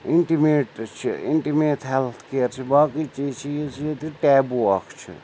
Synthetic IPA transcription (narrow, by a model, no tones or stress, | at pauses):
iɳʈimeːʈt͡ʃʰḭḭɳʈimeːt̪ʰɦɛlt̪ʰkeːɾt͡ʃʰibaːkiːt͡ʃiːt͡ʃʰijesʰijet̪iʈɛːbuakʰt͡ʃʰḭ